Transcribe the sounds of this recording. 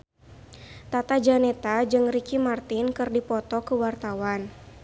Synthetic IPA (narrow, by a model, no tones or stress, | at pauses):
t̪at̪ad͡ʒanɛt̪ad͡ʒɨŋrikimart̪ɪnkɨrdipɔt̪ɔkəwart̪awan